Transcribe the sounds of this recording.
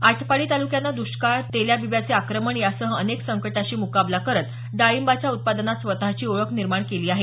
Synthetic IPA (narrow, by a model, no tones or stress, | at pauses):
aʈʰpaɭiːt̪alukjanːad̪uɕkat̪eljabiʋjat͡seakɾəməɳjasəɦəneksəŋkəʈaɕiːmukablakəɾət̪ | d̪aimbat͡ɕjaut̪̚pad̪ənat̪sʋət̪at͡ɕiːoɭəkʰniɾmaɳkeliːaɦe